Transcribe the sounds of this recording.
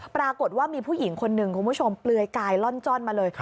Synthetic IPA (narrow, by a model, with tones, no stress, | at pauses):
pɾaː˧ko˨˩t̪̚waː˥˩miː˧pʰuː˥˩ji˩˦ŋkʰo˧nːɯ˨˩ŋkʰu˧nbʰu˥˩t͡ɕʰo˧mplɯ˧əjkaː˧jlɔ˥˩nt͡ɕɔ˥˩nmaː˧lɤː˧j